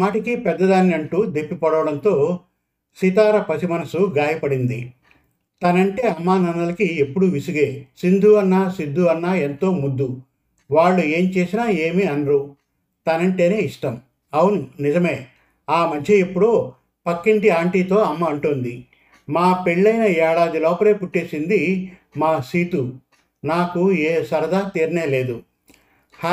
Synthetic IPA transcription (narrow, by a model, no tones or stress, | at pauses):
aːʈikipɛd̪ːɐd̪aːnːiɐɳʈuːd̪e̞pːipɐɽɐʋɐɽɐnt̪o̞ː | sit̪aːɾɐpɐsimɐnɐsuɡaːjɐpɐɽind̪ḭ | t̪ɐnɐɳʈe̞ːɐmːaːnɐnːɐlɐkiepːuɽuʋisuɡeːsind̪ʱuɐnːaːsid̪ʱːuɐnːaːe̞nt̪o̞ːmud̪ːu | ʋaːɭːue̞ːmt͡ʃe̞ːsinaːe̞ːmiɐnɾu | t̪ɐnɐɳʈe̞ːne̞ːiʂʈɐm | ɐwununid͡ʒɐme̞ː | aːmɐd̪ʱjɐepːuɽoː | pɐkːiɳʈiaːɳʈiːt̪o̞ːɐmːɐːɳʈund̪i | maːpe̞ɭːɐjnɐɛːɽaːd̪ilɔːpɐle̞ːpuʈːeːsind̪imaːsiːt̪u | naːkueːsɐɾɐd̪aːt̪iːɾɐne̞ːle̞ːd̪u | h